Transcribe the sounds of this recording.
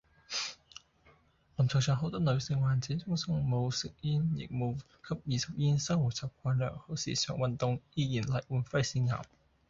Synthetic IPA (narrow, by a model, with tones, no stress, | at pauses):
lɐ˨˩mt͡sʰɔ˨wsʰœː˨˩ŋɦo˧˥wt̪ɔː˥nlɵ˨˧ɥsɪ˨ŋwaː˨˩nt͡siː˨˥nt͡sʊ˥ŋsʊ˥ŋmo˨˧wsɪ˨k̚jiː˥njɪ̰˨k̚mo˨˧w | kʰɐ˥p̚jiː˨˩sɐ˨p̚jiː˧˥nsɐ˥wwuː˨˩t̚t͡sɐ˨˩w̚kʷʰaː˧nlœ̰ː˨˩ŋho˨˥wsḭː˨˩sœ̰ː˨˩ŋwɐ˨nt̪ʊ˨ŋjiː˧jiː˨˩nlɐ˨˩jwuː˨˧nfɐ˥jsiː˨˧˥nŋa̰ː˨˩m